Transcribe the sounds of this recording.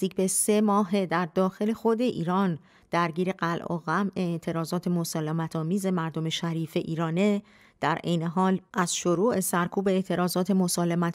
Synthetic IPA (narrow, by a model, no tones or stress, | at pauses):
iːcʰbe̞semɒːɦe̞d̪æɾd̪ɒːxe̞le̞xo̞d̪e̞ʔḭːɾɒːn | d̪̥æɾɟiːɾe̞ɢælʔo̰ɣæmʔe̞ːʔt̪ʰe̞ɾɒːzɒːt̪ʰe̞mo̞sɒːlemæt̪ʰɒːmiːze̞mæɾd̪o̞me̞ʃæɾiːfe̞ʔiːɾɒːne | d̪̥æɾʔejne̞ɦɒːlʔæz̥ʃoɾuːʔe̞sæɾkʰuːbe̞ːʔt̪ʰe̞ɾɒːzɒːt̪ʰe̞mo̞sɒːlemæt̪